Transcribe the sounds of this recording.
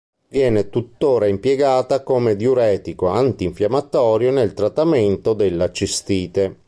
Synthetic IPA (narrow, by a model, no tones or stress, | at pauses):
vjɛːnet̪ut̪ːoːɾaimpjɛɡaːt̪akomed̪oɾɛːt̪ikoant̪iɱfjamat̪ɔːɾjonelt̪ɾat̪ːament̪od̪elːat͡ʃist̪iːt̪e